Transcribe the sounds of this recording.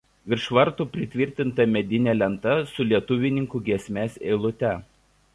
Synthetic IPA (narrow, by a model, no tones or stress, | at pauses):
ʋʲɪɾʃʋɐɾˑt̪uːˑpʲɾʲɪt̪ʲʋʲɪɾʲt̪ʲɪnt̪ɐmʲɛd̪ʲɪnʲɛlʲɛnt̪ɐsʊlʲiɛt̪ʊʋʲɪnʲɪŋkuːˑɡʲiɛsʲmʲɛseɪlˠʊt̪ʲɛ